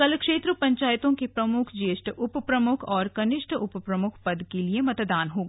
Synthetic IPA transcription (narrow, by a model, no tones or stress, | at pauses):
ɐlkʃeːt̪ɾəpɐ̃ɲt͡ʃaːjɪt̪õkepɾɐmʊkʰd͡ʒeːsʈʰʔʊppɾɐmʊkʰɔːɾkɐnɪʃʈʰʊppɾɐmʊkʰpɐd̪keliemɐt̪d̪aːnɦoːɡ